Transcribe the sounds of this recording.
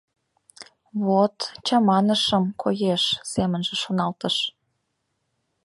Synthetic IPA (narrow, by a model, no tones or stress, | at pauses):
βot̪t͡ɕɑmɑnəʃəmkʰojeʃsemənʒĕʃonɑlt̪əʃ